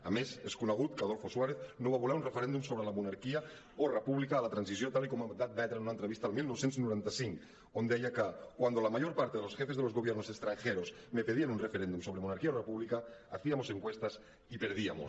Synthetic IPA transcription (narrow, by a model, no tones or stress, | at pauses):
a̰meseskunaɣ̞ut̪kaðolfoswaɾeθnoβaβolaɾunrefeɾend̪umsoβɾelamunaɾkia | orepuβlikaːlat̪ɾansisjot̪alikomad̪at̪̚d̪aet̪ɾanunaent̪ɾeβist̪almilnosent̪znuɾent̪asiŋk | ond̪eajakakwand̪olamaʎoɾpaɾt̪eðelosxefezelo̞zɣoβjeɾnosest̪ɾaŋxeɾosmepeðianunrefeɾend̪umsoβɾemonaɾkiaorepuβlikaːθiamoseŋkwest̪as | ipeɾð̞ia̰mo̰